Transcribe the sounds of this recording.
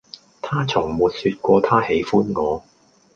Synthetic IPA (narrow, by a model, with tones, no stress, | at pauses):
t̪ʰaː˥t͡sʰʊ˨˩ŋmuː˨t̚syː˧t̚kʷɔː˧t̪ʰaː˥he˨˥jfuː˥nŋɔː˨˧